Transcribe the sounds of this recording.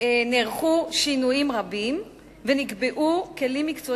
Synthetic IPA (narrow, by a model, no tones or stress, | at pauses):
neʁχuʃinujimʁabim | veniɡbeʔuke̞limːikt͡so